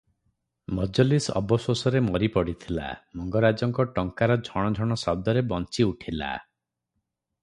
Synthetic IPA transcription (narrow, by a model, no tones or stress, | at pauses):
mɔd͡ʒɔlisɔ̰bɔswosɔɾemɔɾipɔɽit̪ʰila̰mɔŋɡɔɾad͡ʒɔŋkɔʈɔŋkaɾɔd͡ʒʱɔɽ̃ɔd͡ʒʱɔɽ̃ɔsɔb̚d̪ɔɾebɔnt͡ʃiuʈʰila̰